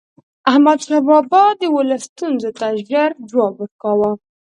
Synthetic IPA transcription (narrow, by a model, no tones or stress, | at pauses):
ahmad̪ʃabɑbɑd̪əwʊlast̪unzot̪aʒəɾd͡ʒwɑbwəɾkawa